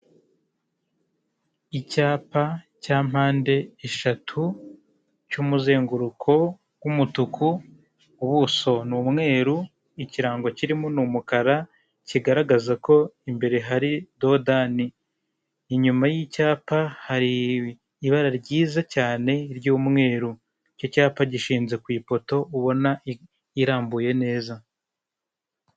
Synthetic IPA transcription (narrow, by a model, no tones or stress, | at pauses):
icaːpa | caːm̥haːnde̞eʃatʰu | cumuze̞ːŋɡuɾukʰo̞ | wumutukʰu | uβuso̞nuːmŋe̞ːɾu | iciɾaːŋɡo̞ciɾimonumukaɾa | ciɡaɾaɡazako̞imbe̞ɾe̞ɦaɾido̞daniː | ɲumajicaːpahaɾiː | βaɾaɾɟiːzacaːne̞ɾɟuːmŋe̞ːɾu | cocaːpaɟiʃiːnze̞kwiːpo̞to̞uβo̞na | iɾaːmbuje̞ne̞ːza